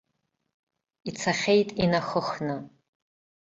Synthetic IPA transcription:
it͡sʰaχʲejtʼinaxəxnɨ

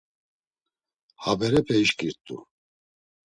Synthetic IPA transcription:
habɛɾɛpʰɛiʃkʼiɾt̪ʼṵ

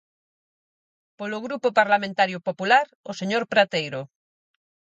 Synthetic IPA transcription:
polʊɣɾupʊpaɾlamẽnt̪aɾjʊpopulaɾ | oseɲoɾpɾat̪ejɾʊ

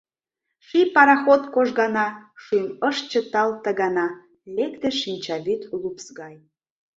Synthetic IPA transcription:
ʃipɑɾɑxot̪koʒɣɑnɑʃuməʃt͡ɕə̆t̪ɑlt̪ə̆ɣɑnɑ | lekt̪eʃinʲt͡ɕɑβyt̪lupsɣɑj

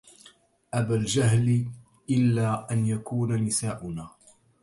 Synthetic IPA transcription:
ʔabald͡ʒaɦl | ʔɪlːaːʔanjakuːnanɪsaːʔʊnaː

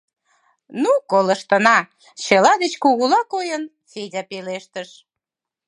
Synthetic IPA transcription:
nukoləʃt̪ənɑ | t͡ɕəlɑd̪et͡ɕkuɣulɑkojən | fedʲɑpeleʃt̪əʃ

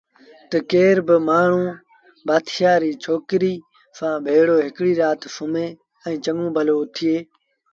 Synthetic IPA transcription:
t̪əkeːɾbɪmaːɳ̤ũː | baːt̪ʰɪjaːɾiːt͡ʃʰoːkɾiː | sãːbʱeːɽoːɦɪkɽiːɾaːt̪sʊmẽː | ɛ̃ːt͡ʃəŋũːbʱəloːʊt̪ʰɪeː

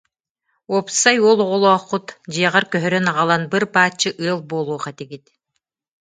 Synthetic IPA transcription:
ɔpsajuːlˠɔʁɔlˠɔːχːut̪d͡ʑiɛʁaɾkœɦœɾœnaʁalˠanbɯɾbaːt͡ɕːɯʔɯɐlˠboːlˠuːχat̪iɡit̪

